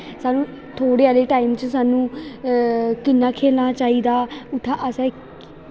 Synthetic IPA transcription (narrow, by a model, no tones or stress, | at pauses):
saːnũː | t̪ʰoːɽeːaːleːʈaːimt͡ʃəsaːnũː | kɪnːãːkʰeːlnãːt͡ʃaːiːd̪aːʊt̪ʰːãːʔəsɛ̃ː